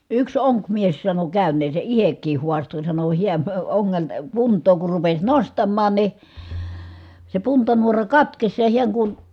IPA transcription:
yks oŋkmies sɑno kæˑynˑeːse ʔihekˑiːh huɑsto sɑno hiæn oŋːeltɑ puntˑoː kur rupes nostɑmːɑːn ni se puntɑnuorɑ kɑtkes jɑ hiæŋ kun

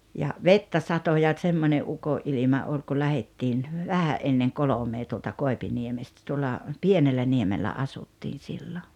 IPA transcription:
jɑ ʋetːæ sɑto jɑ tsemːonʲe ʔukoʔ ʔilimɑ ol ku læhetːiːn ʋæhæʔ ʔenːeŋ kolomeː tuoltɑ koˑepiniemestæ tuolːɑ pienelːæniemelːæ ɑsutːiːn̞ silːo

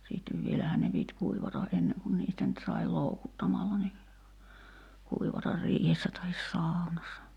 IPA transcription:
siːtːeʋ ʋielæhæˑn ne pit kuiʋɑtɑ ʔenːeŋ kun niːstæ nyt sɑi loukutːɑmɑlːɑ ni kuiʋɑtɑr riːhesːæ tɑhis sɑˑu̞nɑsːɑ

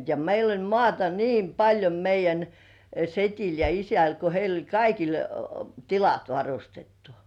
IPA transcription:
jɑ meil olʲ mŏɑˑtɑ niːm pɑlʲjo meijˑæn setʲil jɑ isæl ko heil olʲ kɑikil tilɑt ʋɑrustetːu̥

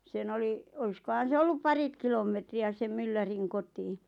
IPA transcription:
sen oli oiskohɑn̞ se olːup pɑrit kilomˑetriæ sem mylːæriŋ kotiː

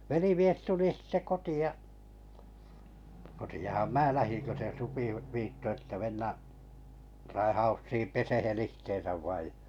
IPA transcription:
ʋelimies tuli sitːe kotiɑ kotiɑhɑm mæː læhiŋ kø se supi ʋ ʋiːtːo etːæ menːæʔ rɑihɑusːiːm pesehen ihteːn̞sæʋ ʋɑij

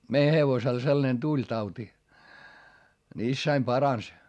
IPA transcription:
mei heʋosel selːɑ̆nen tulʲ tɑuti ni isːæim pɑrɑns

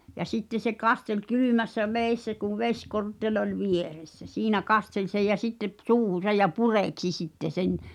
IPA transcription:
jɑ sitːe se kɑstel kylymæsːæ ʋeˑisːæ kuʋ ʋesʲkortːelʲ olʲ ʋieresːæ siːnæ kɑstel sej jæ sitːe p suːhusɑj jɑ pureˑksi sitːe sen

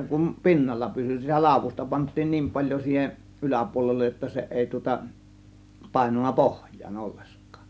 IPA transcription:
kum pi̞nːɑlːɑ pysy sitæ lɑˑo̝ʋustɑ pɑntˑiːn niːm pɑlʲjo siːheʔ ylæpuolelːej jotːɑ se eˑi tŭŏtɑ pɑˑe̝nunːɑ pohjˑɑːn olːeskˑɑ̥ː

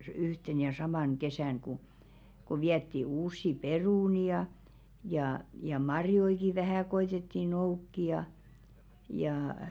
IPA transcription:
yhten jɑ sɑmɑˑn kesæˑn ku ku ʋiætːi uːsːi peruˑni jɑ jɑˑ jɑ mɑrjoiki ʋæhæˑ koitetːi noukːi jɑ jɑː

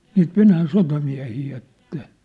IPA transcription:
niːt ʋenæːn sotɑmiæ̝hiː et ne

